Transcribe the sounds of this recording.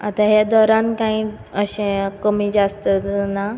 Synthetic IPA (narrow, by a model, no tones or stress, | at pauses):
a̰t̪aɦjad̪ɔɾankãĩ | əɕẽkəmiːd͡ʑast̪ət̪na